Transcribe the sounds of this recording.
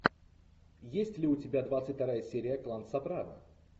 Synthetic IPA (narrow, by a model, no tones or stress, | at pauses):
jesʲtʲlʲɪʊtʲɪbʲad̪vat̪sɨt̚ʲt̪ɐɾajəsʲeɾʲɪjəklˠansɐpɾavə̰